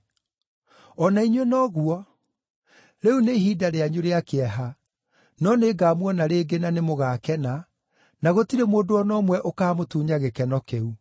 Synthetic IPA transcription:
ɔnaiɲwenɔɣuɔ | ɾeunehiːdaɾeaɲuɾeakeɛɦa | nɔneːɡaːmwɔnaɾeːɡenanemoɣaːkɛna | naɣotiɾemoːdoɔnɔmwɛʔokaːmotuːɲaɣekɛnɔkeu

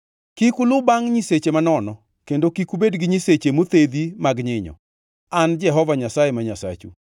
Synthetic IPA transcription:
kikulʊbaŋɲiset͡ʃemanɔnɔ | kendokikubedɡɪɲiset͡ʃemot̪ed̪imaɡɲɪɲɔ̰ | and͡ʒɛɦɔvaɲasajemaɲasa̰t͡ʃṵ

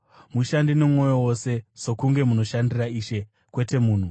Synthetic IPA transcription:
muʃandinomŋo̞jowose̞so̞kuŋɡe̞muno̞ʃandiraiːʃe̞ | kwe̞te̞muːn̤u

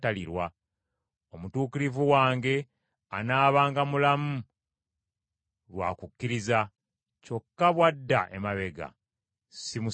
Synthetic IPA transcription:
taliɾwa | o̞mutuːkiɾivuwaːŋɡe̞ | anaːβaːŋɡamulamu | lwa̰ːkukːiɾiza | co̞kːaβwadːaʔemaβe̞ɡa̰ | simu

